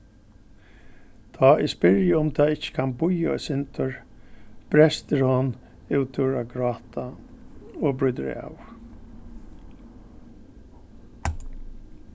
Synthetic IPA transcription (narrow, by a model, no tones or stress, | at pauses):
t̪ʰaːʔɪspɪɹjɪʊmt̪ʰaːɪht͡ʃːə̥kʰanbʊjaɔ̰sɪnt̪ʰʊɹb̥ɾɛst̪ɪɾhɔn | ɪwt̪ʰʊɹaɡɾaːt̪a | ɔbɾʊjt̪ɾ̰a̰w